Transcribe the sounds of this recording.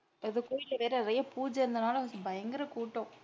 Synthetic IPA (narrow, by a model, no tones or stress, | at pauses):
pːɐɪðɯkoːjɪlːɐʋeːɾɐnɪɾɐjɐpuːd͡ʒɐɾɯnd̪ɐnaːlɐsbɐjɐŋɡɪɾɐkuːʈːõ